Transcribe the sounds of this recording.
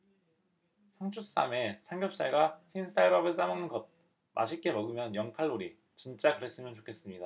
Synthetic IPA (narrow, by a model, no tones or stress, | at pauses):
sʰaŋt͡ɕʰus͈a̰me̞sʰaŋɡjʌp̚s͈aɭɡaçins͈aɭbabɯɭs͈amʌŋnɯnɡʌd̚ | mʔa̰ɕʰik͈e̞mʌɡɯmjʌnjʌŋkʰaɭːoɾi | t͡ɕint͡ɕ͈akɯɾe̞s͈ɯmjʌnt͡ɕokʰe̞s͈ɯmɲida